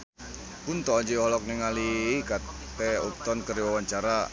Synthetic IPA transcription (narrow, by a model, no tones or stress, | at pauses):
punt̪ɔd͡ʒiɦɔlɔk̚nɛŋalika | t̪ɛɔk̚t̪ɔnkəriwawaɲt͡ʃaɾa